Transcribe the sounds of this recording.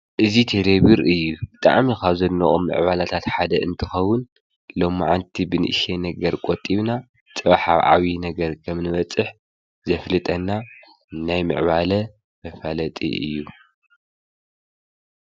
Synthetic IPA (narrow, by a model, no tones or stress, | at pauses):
ʔɨzit̪ʰed̪eβiɾɨjːubɨt̪ʼa̰ʕmikʰaβzɐlːɐʔʼo̰mːɨ̰ʕβalat̪ʰat̪ħad̪ɐʔɨnt̪ʰɨxɐwʊn | lo̞mːʕant̪ʰibɨnɨʔɨʃenɐɡɐɾkʼot̪ʼːiβna | t͡sʼɨβaħaβʕa̰winɐɡɐɾkʰɐmnɨβɐt͡sʼːɨħ | zɐflɨt̪ʼɐnːa | najmɨ̰ʕβalɐ | mɐfalɐt̪ʼḭʔɨ̰jːu